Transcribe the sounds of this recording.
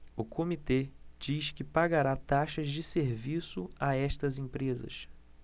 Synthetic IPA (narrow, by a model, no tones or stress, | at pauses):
ʊkʰomit̪ed͡ʒiʃkɪpaɡaɾat̪aʃɐzd͡ʒɪseɾvisʊaɛʃt̪ɐzẽpɾezɐ̰ʃ